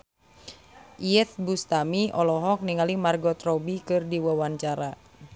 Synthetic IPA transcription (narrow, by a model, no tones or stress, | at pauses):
ʔiɛt̪̚bust̪amiɔlɔɦɔk̚niŋalimarɡɔt̪rɔbikɨrdiwawaɲt͡ʃaɾa